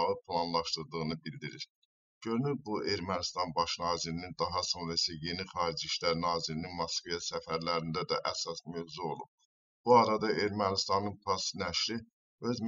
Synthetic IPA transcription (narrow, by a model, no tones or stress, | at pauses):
ʁɯpʰlˠɑnlˠɑʃt̪ɯɾd̪ɯɣɯnɯbild̪iɾiɾ | ɟønylbuʔe̞ɾmænist̪ɑnbɑʃnɑːziɾinind̪ɑɦɑso̞nɾɑisæje̞niχɑːɾid͡ʒiʃlæɾnɑːziɾininmɑskvejɑsæfæɾlæɾind̪æd̪æ̰ʔæsɑsmøvzuo̞lˠub̥̚ | b̥uɑɾɑd̪ɑʔe̞ɾmænist̪ɑnɯnpʰɑsnæʃɾi | ø̞zm